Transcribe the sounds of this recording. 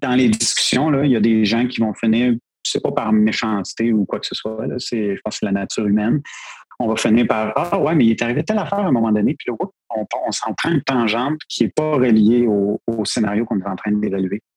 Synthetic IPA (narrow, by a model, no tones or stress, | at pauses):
d̪̥ɑ̃led̪d͡ziskʲy̥sjɔ̃lɔiljad̪eʒãkʲivɔ̃fəniːʁʒsepɔpaʁmeʃɑ̃si̥t̪eukwaksəswalɔseʒəpɑ̃sɛlanat̪yːʁymɛnɔ̃vafəniːʁpaʁɑwɛmɛilɛt̪aʁived̪̚t̪ɛlafæːʁɛ̃ːmɔmɑ̃d̪ɔnepiləʁʊt̪̚ɔ̃pɔ̃sɑ̃t̪χɛ̃t̪ɑ̃ʒɑ̃bkʲʰiɛpɔʁəljeoosenaʁjokɔ̃net̪ɑ̃t̪χɛ̃nd̪evalyɥe